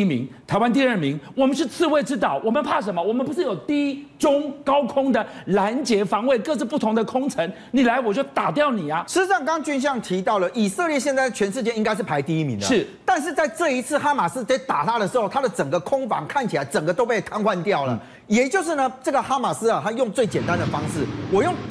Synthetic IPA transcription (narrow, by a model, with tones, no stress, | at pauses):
mḭ˧˥ŋt̪ʰa˧˥ɪwa˦nt̪̬i˥˧ə˞˥˩mi˧˥ŋwɔ˨˩mə˦nʂ̬ɻ̩˥˧t͡sʰɹ̩˥˧we˥˩ɪʈ͡ʂɻ̩˥t̪̬ɑ˥˩ʊwɔ˨˩mə˦npʰa˥˩ʂ̬ə˧˥nmə˧wɔ˨˩mə˦npu˧˥ʂ̬ɻ̩˥˩jo˨˩ʊt̪i˥ʈ͡ʂʊ˥ŋkɑ˥ʊkʰʊ˥ŋd̪ə˨la˧˥nt͡ɕjɛ˧˥fɑ˧˥ŋwe˥˧ɪkɤ˥˧t͡sɹ̩˥˧pu˥˩t̪ʰʊ˧˥ŋd̪ə˨˧kʰʊ˥ŋʈ͡ʂʰə˧˥ŋ | ni˨˩la˧˥ɪwɔ˨˩t͡ɕjo˥˩ʊt̪a˨˩t̪jɑ˥˩ʊni˨˩ɐ˦ʂɻ̩˧˥ʈ͡ʂ̩˧ʂɑ˥˩ŋkɑ˥ŋt͡ɕy˥nɕ̬jɑ˥˩ŋt̪ʰi˧˥t̪ɑ˥˩ʊlə˩ʔi˨˩sə˥˧ljɛ˥˧ɕ̬jɛ˥˧nt͡sa˥˩ɪt͡ɕʰɥɛ˧˥nʂɻ̩˥˧t͡ɕjɛ˥˧i˥ŋka˥ɪʂɻ̩˥˩pʰa˧˥ɪt̪i˥˩i˧˥mḭ˨˦ŋdʂəʂɻ̩˥˩t̪a˥˧nʂ̬̩˥˧t͡sa˥˧ɪʈ͡ʂɤ˥˧i˧˥t͡sʰɹ̩˥˩xa˥ma˨˩sɹ̩˥t͡se˥˩ɪt̪a˨˩t̪a˥˩ɾə˩ʂɻ̩˧˥xo˥˩t̪ʰa˥d̪ə˨ʈ͡ʂə˨˩ŋɡə˦kʰʊ˥ŋfɑ̰˧˥ŋkʰa˥˩nt͡ɕʰi˨˩la˨˧˥ɪʈ͡ʂə˨˩ŋɡə˩˦t̪o˥ʊpe˥˩ɪt̪ʰa˥nxwa˥˧nt̪jɑ˥˩ʊlə˨˩ | jɛ˨˩t͡ɕjo˥˧ʊʂ̬ɻ̩˥˩nə˩ʈ͡ʂɤ˥˩ɡə˨xa˥ma˨˩sɹ̩˥a˨t̪ʰa˥jʊ˥˧ŋt͡swe˥˩ɪt͡ɕjɛ˨˩nt̪a˦nd̪ə˨fɑ˥ŋʂɻ̩˥˩wɔ˨˩jʊ˥˩ŋ